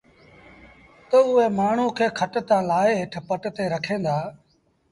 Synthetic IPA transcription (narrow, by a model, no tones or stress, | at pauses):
t̪əʊɦeːmaːɳ̤ũːkʰeːkʰəʈt̪ãːlaːeːɦɪʈʰpəʈt̪eːɾəkʰẽːnd̪aː